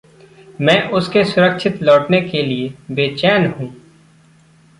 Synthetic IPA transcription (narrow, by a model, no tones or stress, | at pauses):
mɛ̃ːʔʊskesʊɾəkʃʰɪt̪lɔːʈnekeliebeːt͡ʃɛːnɦũː